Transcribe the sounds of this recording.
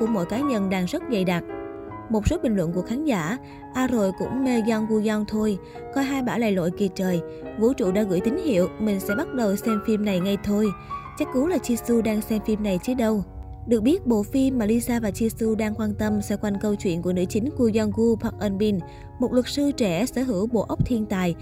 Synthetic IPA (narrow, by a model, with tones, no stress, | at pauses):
kṵ˧˩əmo̰˧˥˨jkaː˨˦ɲə˧nɗaː˧ŋzə˦˥t̚zə˧˩jɗa˨˩t̚ | mo˨˩t̚so˨˦ɓï˨˩ŋ̟lwə̰˧˨nku˧˩əxaː˨˦nzaː˧˩ | ʔaː˧ɾo˧˨jkʊ̰˧˥ŋ͡mme˧zɔ˧nɣu˧zɔ˧nt̪ʰo˧j | kɔ˧jɦaː˧jɓaː˧˩la̰ː˧˨jlo̰˧˨jki˨˩ət͡ɕəː˨˩j | vṵ˧˥t͡ɕṵ˧˨ɗa̰ː˧˥ɣɨ̰˧˩˨jt̪ï˨˦ŋ̟hḭ˧˨əwmï˨˩ŋ̟sɛ̰˧˥ɓa˦˥t̚ɗə˨˩wsɛ˧mfi˧mna˨˩jŋa˧jt̪ʰo˧jt͡ɕa˦˥k̚ku˨˦laː˨˩t͡ɕi˧su˧ɗaː˧ŋsɛ˧mfi˧mna˨˩jt͡ɕi˨˦˥ək̚ɗə˧w | ɗɨ˨˩ək̚ɓi˦˥ət̚ɓo̰˧˨fi˧mːaː˨˩li˧saː˧vaː˨˩t͡ɕi˧su˧ɗaː˧ŋkwaː˧nt̪ə˧msɛ̰˧˥kwa˧jnkə˧wt͡ɕwḭ˧˨ənku˧˩ənɨ̰˧˥t͡ɕï˨˦ŋ̟ku˧zɔ˧nɣu˧pʰa˨˥k̚ʔə˧nɓi˧n | mo˨˩t̚lwə˨˩k̚sɨ˧t͡ɕɛ˧˩sɛː˧˥ɦɨ̰˧˥wɓo̰˧˨ʔə˦˥wk͡p̚t̪ʰi˧ənt̪a̰ː˨j